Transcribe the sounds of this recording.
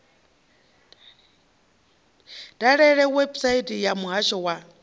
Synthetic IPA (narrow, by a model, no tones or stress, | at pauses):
dʼaɺɛɺɛwebsaitʼijamuɦaʃɔwa